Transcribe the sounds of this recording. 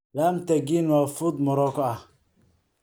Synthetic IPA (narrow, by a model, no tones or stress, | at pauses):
laːmt̪ɐɡiːnwaːfʊd̪mɔɾɔkʰɔɐh